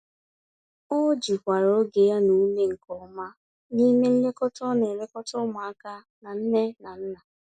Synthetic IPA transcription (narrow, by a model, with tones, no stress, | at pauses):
o˦d͡ʒi˨kʷa˨ɾo˨˦ɡe˨ja˦nu˨˦ne˦ŋ̩˨kɔ˨˦ma˦ | ni˦me˦n̩˦le˦kɔ˦tɔ˦ne˨le˦kɔ˦tɔ˦ma˨a˦ka˦ | na˨n̩˦ne˦na˨n̩˦na˨